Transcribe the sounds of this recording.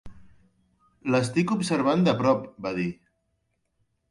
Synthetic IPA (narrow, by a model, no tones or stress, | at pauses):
ləst̪ikubsəɾβ̞and̪əpɾɔpbaði